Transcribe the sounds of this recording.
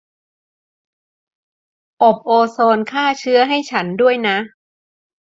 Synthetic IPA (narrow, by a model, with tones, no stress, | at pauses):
ʔo˨˩p̚ʔoː˧soː˧nkʰaː˥˩t͡ɕʰɯ˦˥ɐɦa˥˩jt͡ɕʰa˦˥ndu˥˩əjna˦˥ʔ